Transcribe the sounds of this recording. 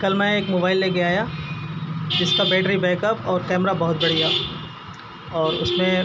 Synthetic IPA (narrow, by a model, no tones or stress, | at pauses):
kɐlmɛ̃ːeːkmoːbaːɪlːeɡɐjaːja | d͡ʒɪskabɛːʈɾibɛ̃ːkəpɔːɾkɛːmɾabɐɦʊt̪bɐɽ̤ijaː | ɔːɾʊ̰smẽ